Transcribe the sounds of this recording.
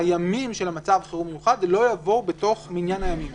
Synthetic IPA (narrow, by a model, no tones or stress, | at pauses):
ajamimʃe̞lamat͡savχeʁumejuχadlo̞javo̞wbeto̞χminjanhajamim